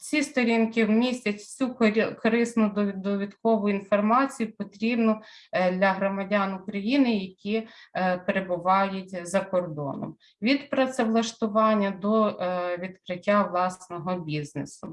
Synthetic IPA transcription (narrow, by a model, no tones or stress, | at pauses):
t͡sʲist̪ɔɾʲinkɪwmʲisʲtʲɐtʲsʲukɔɾɪsnʊd̪ɔʋʲid̪kɔʋʊinfɔrmɑt͡sʲijʊpɔt̪ɾʲibnʊ | d̪lʲɐɦɾɔmɐdʲanʊkɾɐjinɪjɐkʲipeɾebʊʋɑjʊtʲzɐkɔrd̪ɔ̰nɔ̰m | ʋʲid̪pɾɐt̪sɛʋlˠɐʃt̪ʊʋɑnʲːɐd̪ɔʋʲid̪kɾɪtʲːaʋlˠɑsnɔɦɔbʲiznesʊ